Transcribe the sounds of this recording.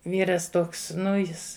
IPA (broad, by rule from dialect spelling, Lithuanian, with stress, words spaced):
ˈʋʲiːrɐs ˈtoːks ˈnʊ ˈjɪs